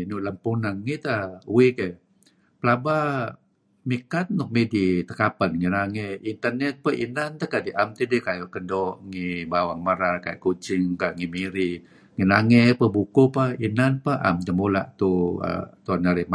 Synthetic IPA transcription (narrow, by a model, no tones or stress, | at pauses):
nuʔləmpunaŋŋit̪auweke | pəlaba | mikat̪̚nɔk̚medit̪əkapanŋinaŋeint̪ərnɛt̪̚pəʔinant̪əkadiʔamt̪idikajoʔkəndɔŋibawaŋməɾarkaj̰ʔkut͡ʃɪŋkaŋimiɾi | ŋinaŋepəbukopainanpaʔa̰mt̪əmola̰ʔt̪uə̰t̪uanaɾɛm